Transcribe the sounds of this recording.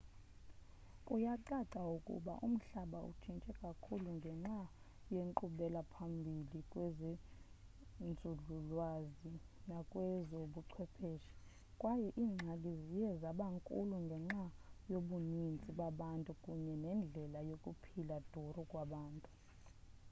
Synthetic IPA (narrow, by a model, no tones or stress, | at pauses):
kʼujaǀaǀaukʼṵɓa̰ʔṵm̩ɬaɓaṵt͡ʃʰint͡ʃʼɛkʼakʰuluŋɡʱɛŋ͡ǁa | jeŋǃuɓɛlapʰambʱilikʼwezi | nd͡zʱuɮulwazi | nakʼwɛzoɓuǀʰwɛpʰeːʃi̥ | kʼwajɛʔiːŋ͡ǁʱalizijɛzaɓaŋkʼṵluŋɡʱɛŋ͡ǁajoɓunint͡sʼiɓaɓantʼukʼuɲɛnɛnd͡ɮʱɛlajokʼupʰilad̥ʱurukʼwaɓaːntʼu̥